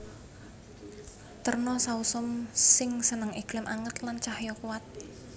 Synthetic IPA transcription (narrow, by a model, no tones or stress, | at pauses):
t̪ərnɔsausɔmsɪŋsənəŋiɡ̥lɪmʔaŋət̪lant͡ʃahjɔkuwat̪̚